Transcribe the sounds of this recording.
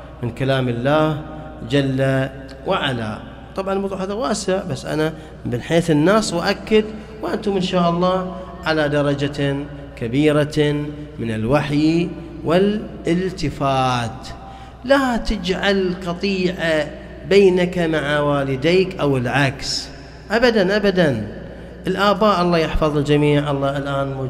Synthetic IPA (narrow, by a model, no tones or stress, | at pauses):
mɪnkalaːmɪlːaːh | d͡ʒalːa | wɪʕala̰ | t̪ˤɑbʕɑnlmtˤuːʕhaːðawaːsɪʕbasːʔa̰na | bɪnħeːθɪnːaːswaʔakːad̪ | wʔant̪umɪnʃaːʔɑlˤːɑː | ʕalad̪ɑɾˤɑd͡ʒa | kabiːɾa | mɪnɪlwaħj | wɪlʔɪlt̪ɪfaːt̪ | lat̪ɪd͡ʒʕalqɑt̪ˤiːʕa | beːnakamaʕawaːlɪd̪iːkʔawəlʕaks | ʔabad̪anʔabad̪an | ʔɪlʔaːbaːʔɑlˤːɑːjɪħfɑðˤld͡ʒamiːʕʔɑlˤːɑːʔɪlʔaːnmʊ